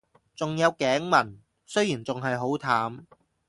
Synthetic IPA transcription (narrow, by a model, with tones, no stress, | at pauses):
t͡sʊ˨ŋjɐ˨˧wkɛː˨˥ŋmɐ˨˩n | sɵ˥jiː˨˩nt͡sʊ˨ŋɦɐ˨jɦo˨˥wt̪ʰaː˨˥m